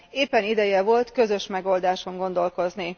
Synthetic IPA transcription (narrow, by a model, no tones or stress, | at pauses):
eːpːɛnid̪ɛjɛvo̞lt̪kø̞zø̞ʃmɛɡo̞ld̪aːʃo̞ŋɡo̞nd̪o̞lko̞zni